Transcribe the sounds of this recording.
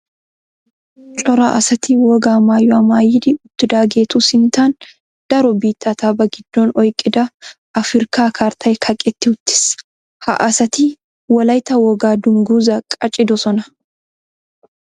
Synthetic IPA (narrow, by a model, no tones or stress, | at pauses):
t͡ʃʼɔɾa̰ʔɐsɐt̪iːwɔɡaːmaːjːɔɐmaːjɪd̪iʊt̪ːɪd̪aːɡeːt̪usɪnt̪aːn | d̪̥ɐɾɔbiːt̪ːaːt̪aːbɐɡɪd̪̥ːoːnɔjkʼɪd̪ɐ | ɐfɪɾkaːkʰaːɾt̪ʰɐjkʰɐkʼɛt̪ːɪʊt̪ːɪ̥s | hɐ̰ʔɐsɐt̪iː | wɐlɐjt̪ɐwɔɡaːd̪ʊŋɡuːzɐkʼɐt͡ʃʼɪd̪ɔsɔnɐ̥